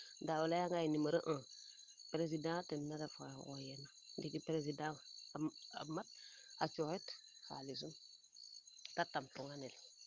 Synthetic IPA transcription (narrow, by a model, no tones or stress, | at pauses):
dawulajaŋɡajinimaɾəʔã | pɾes̬idãtennadafa̰ojena | dikipɾes̬idãaa̰mat̚ | at͡ʃohet | ha̰lis̬un | tatamtuŋanel